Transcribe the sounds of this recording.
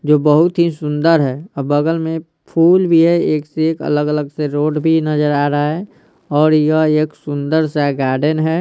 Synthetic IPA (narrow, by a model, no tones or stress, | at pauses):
d͡ʒoːbəɦʊt̪ɦisʊ̃nd̪əɾɦɛɔbəɡəlmẽ | pʰuːlbʱiɦɛeːkseeːkə̰ləɡələɡseɾoːɖbʱinəd͡ʒəɾaːɾəaɦɛ | ɔːɾjəeːksʊ̃nd̪əɾsɛɡaːɾɖənɦɛ